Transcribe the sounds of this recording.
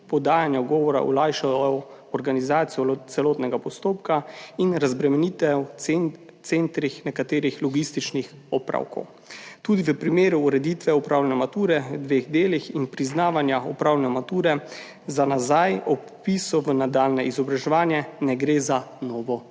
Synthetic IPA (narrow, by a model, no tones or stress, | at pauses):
pɔd̪aːjanjawɡɔːʋɔɾa̰ɔ̰lajʃajɔjɔɔɾɡanizaːt̪sijɔt̪sɛlɔːt̪nɛɡapɔst̪oːp̚kainɾazbɾɛmɛnit̪ɛw | t̪sent̪ɾixnɛkat̪eːɾixlɔɡist̪it͡ʃnixɔpɾa̰wkɔ̰w | t̪uːd̪iʋəpɾimeːɾuːɾɛd̪it̪ʋɛɔpɾaːwlɛnɛmat̪uːɾɛʋəd̪ʋeːɣd̪eːlixinpɾiznaːʋanjaɔpɾaːwlɛnɛmat̪uːɾɛ | zanazajɔ | pisɔʋənad̪aːlnɛizɔbɾaʒɛʋaːnjɛnɛɡɾezanɔːʋɔ